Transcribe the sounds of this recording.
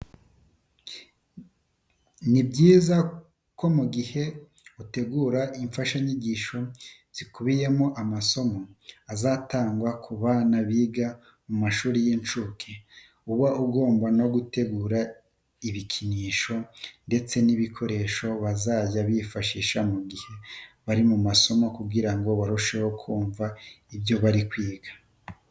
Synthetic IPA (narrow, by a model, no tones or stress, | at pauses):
nibɟiːza | ko̞muɡihe̞ | ute̞ɡuːɾaʔiɱfaʃaɲiɟiːʃo̞ | z̥ikuβije̞moʔamaso̞mo̞azataːŋɡwakʰuβanaβiɡa | mumaʃuːɾijint͡ʃukʰe | uβaʔuɡo̞ːmbano̞ɡute̞ɡuːɾa | iβikʰiniːʃo̞nde̞t͡se̞niβikʰo̞ɾe̞ʃo̞βazaːɟaβifaʃiːʃamuɡihe̞βaɾimumaso̞mo̞kuɡiɾaŋɡo̞βaɾuʃe̞ho̞kʰuːɱva | ibjo̞βaɾikwiːɡḁ